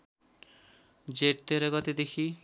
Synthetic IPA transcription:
d͡ʒeʈ̚t̪eɾeɡɔt̪ed̪ekʰi

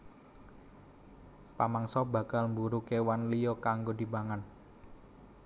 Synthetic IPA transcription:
pamaŋsɔba̤ɡalmbuɾukewanlijɔkaŋɡodi̤baŋan

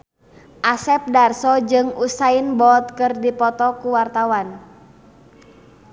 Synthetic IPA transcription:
ʔasɛp̚darsɔd͡ʒɨŋusainbɔt̪̚kɨrdipɔt̪ɔkuwart̪awan

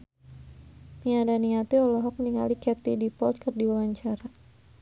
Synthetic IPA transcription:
miadaniat̪iɔlɔɦɔk̚niŋa̰likɛt̪idipɔlt̪̚kɨrdiwawaɲt͡ʃaɾa

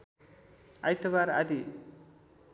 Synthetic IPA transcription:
ajt̪ɐβaɾa̰d̪i

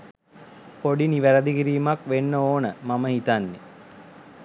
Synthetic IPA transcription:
poɖiniʋæɾəd̪iɡiɾiːmakʋenːəoːnəmaməɦit̪anːe

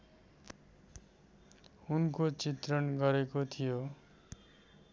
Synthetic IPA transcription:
unkot͡sit̪rʌnɡʌɾekot̪ʰijo

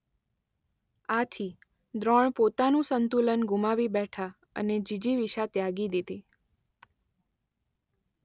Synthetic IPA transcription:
at̪ʰi | d̪ɾɔɳpot̪anũsənt̪ulənɡumaʋibɛʈʰa | ə̰ned͡ʒid͡ʒiʋiʃat̪jaɡid̪id̪i

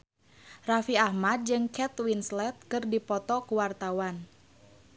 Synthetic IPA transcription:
rafiahmad̪̚d͡ʒɨŋkɛt̪winslɛt̪̚kɨrdipɔt̪ɔkuwart̪awan

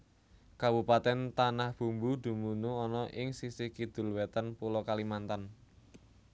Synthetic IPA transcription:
kabupat̪ɛnt̪anahb̥ṳmbud̪̥ṳmunuɔnɔʔɪŋsisikid̪̥ʊ̤lwɛt̪ənpulokalimant̪an

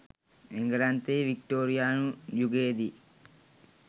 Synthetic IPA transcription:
eŋɡɐɾant̪eʋikʈoːɾijaːnujuɡeːd̪i

